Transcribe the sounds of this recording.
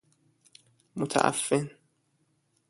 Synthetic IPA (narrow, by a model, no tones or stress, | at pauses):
mot̪ʰa̰ʔa̰fːen